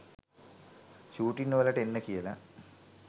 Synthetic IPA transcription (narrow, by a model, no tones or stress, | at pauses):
ɕuːʈːinːoːlɐʈenːekːijɐlɐ